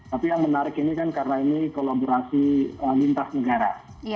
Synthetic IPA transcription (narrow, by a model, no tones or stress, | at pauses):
t̪apijaŋmənaɾɪkinikankarənainikolaboɾasiəlint̪asnəɡaɾa